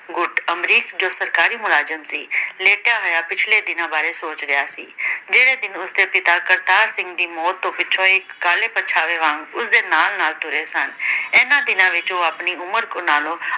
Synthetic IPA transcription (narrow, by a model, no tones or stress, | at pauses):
ɡʊʈəmɾiːkd͡ʒoːsəɾkaːɾiːmʊlaːd͡ʒəmsiːleːʈjaːɦojaːpɪt͡ʃʰleːd̪ɪnãːbaːɾeːsoːt͡ʃɾəjaːsḭːd͡ʒeːɽeːd̪ɪnʊsd̪eːpɪt̪aːkəɾt̪aːɾsɪ̃ŋɡd̪iːmɔːt̪ːõːpɪt͡ʃʰõːɪkːaːleːpət͡ʃʰaːʋeːʋãːŋɡʊsd̪eːnaːlnaːlt̪ʊɾeːsənɛːnãːd̪ɪnãːʋɪt͡ʃoːapniːʊməɾkõːnaːlõː